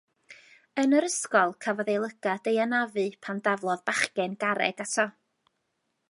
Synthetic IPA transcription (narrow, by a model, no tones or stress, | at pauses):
ənəɾəskɔlˠkʰavɔðejlˠəɡ̥ad̥ejanavɨpʰandavlˠɔðbaχkɛnɡaɾɛ̰ɡ̥atʰɔ